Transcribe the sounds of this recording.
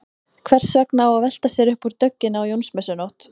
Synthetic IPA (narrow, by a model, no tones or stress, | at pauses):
kʰvɛr̥svɛknaawavɛl̥t̪asjɛɾʏhpuɾt̪œcːɪnawjownsmɛsʏnowht̪